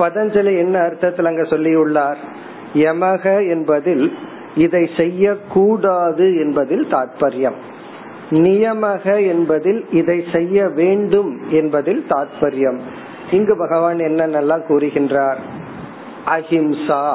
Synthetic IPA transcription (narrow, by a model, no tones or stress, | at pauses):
pɐðɐɲd͡ʒɐlɐɛnːɐːɾɯt̪ːɐt̪ːɪlɐŋɡesɔlːɪjɯɭːaːɾ | ɛmɐɣɐɛnbɐðɪl | ɪðɐɪsɛjːɐkːuːɽaːðɯɛnbɐðɪlt̪aːt̪̚pɐɾɪjɐm | nɪjɐmɐɣɐɛnbɐðɪlɪðɐɪsɛjːɐʋeːɳɖɯmɛnbɐðɪlt̪aːt̪̚pɐɾɪjɐm | ɪŋɡɯbɐɣɐʋaːnɛnːɐnːɐlːãːkuːrɯɣɪndraːɾ | ʔɐɣɪmsaː